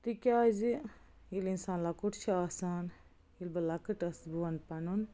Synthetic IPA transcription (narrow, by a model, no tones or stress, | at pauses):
t̪ikʲaːzi | ilinsaːnlakuʈt͡ʃʰaːsaːn | ilbɐlakɨʈɐsbuɐnpɐnun